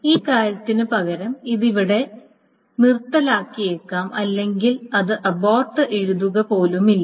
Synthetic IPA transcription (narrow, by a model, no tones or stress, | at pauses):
iːkaːɾɐt̪ːinɨpɐɣɐɾɐmiðiʋiɽe̞ | mirt̪ːɐlaːkːijekːaːmʔɐlːe̞ŋɡilɐðɨʔɐbaːrʈːɨʔe̞ɻuðuɣɐpo̞ːlumilːɐ